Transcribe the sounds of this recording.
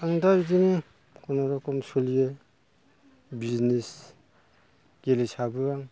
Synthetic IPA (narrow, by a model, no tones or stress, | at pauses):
aŋdaɾidinɯ | kʰɔnɔɾɔkɔmsulije | biznes | ɡ̥elisabɯaŋ